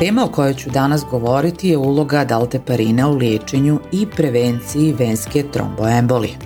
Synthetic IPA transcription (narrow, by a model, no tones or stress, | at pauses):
t̪eːmaoko̞jot͡ɕud̪anasɡo̞ʋo̞ɾit̪ijeulˠo̞ɡad̪alˠt̪epaɾiːnauljeːt͡ʃe̞ɲuipɾe̞ʋent̪sijiʋeːnske̞t̪ɾo̰mboembolḭ